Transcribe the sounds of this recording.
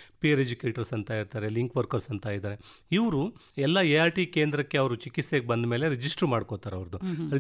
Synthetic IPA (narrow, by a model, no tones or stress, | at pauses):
piɐɾed͡ʒukeːʈɐɾsɐnt̪aːjiɾt̪aːɾeliŋkʋɐɾkɐɾsɐnt̪ajid̪aːɾeiʋɾu | ɛlːɐeaːɾʈike̞ːnd̪ɾɐkːeɐʋɾut͡ʃikit̪seɡebɐnd̪me̞ːle̞ɾid͡ʒisʈɾmaːɖkot̪aːɾeɐʋɾd̪uɾ